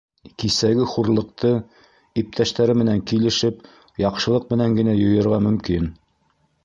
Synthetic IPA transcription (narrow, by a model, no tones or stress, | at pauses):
kisæɡɘχuɾlˠɤ̆q̚t̪ʰɤ | ip̚t̪ʰæʃt̪æɾɘmɘ̆næŋkilɘ̆ʃɘp | jɑqʃɤ̆lˠɤq̚mɘ̆næŋɡɘ̆næjŏjɤ̆ɾʁɑmɵ̆mkin